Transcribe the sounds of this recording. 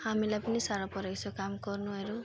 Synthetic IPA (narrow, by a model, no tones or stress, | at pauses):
hamilajpʌnisaɾapʌɾeksʰokamkʌrnuɦʌɾu